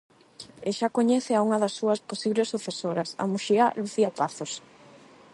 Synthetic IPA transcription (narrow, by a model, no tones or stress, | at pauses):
ɪʃakoɲɛθɪauŋɐðɐsːuɐsposiβlesːuθesoɾɐsɐ̰muʃialuθiapaθos